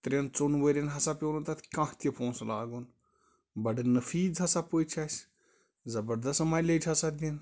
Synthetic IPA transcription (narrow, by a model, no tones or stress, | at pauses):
t̪ɾʲent͡sonʋəɾʲɐnɦɐsapʲewnut̪ɐt̪ʰkãht̪ʲipʰõːnslaːɡun | bɐɖɨnɐfiːzɦɐsapot͡ʃʰasʲ | zɐbɐɾd̪ɐsmalet͡ʃʲʰɐsad̪ʲin